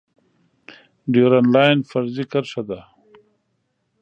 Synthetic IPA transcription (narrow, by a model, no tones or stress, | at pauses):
ɖiɾanlaːjnfɐɾzikɐɾʂad̪a